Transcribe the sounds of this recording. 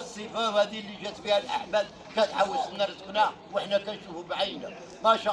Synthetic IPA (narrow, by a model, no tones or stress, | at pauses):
sˤːəfahæd̪ilːiʒæt̪bihælʔa̰ħbæd̪̚ | kæt̪ʕawːəlsəmnɑɾzəknæ | wəħnækænʃufumʕajnæ | mæʃa